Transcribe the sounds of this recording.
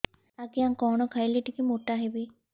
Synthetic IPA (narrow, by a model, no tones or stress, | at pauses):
akiãŋkɔɽ̃ɔkʰajliʈikimoʈaɦebi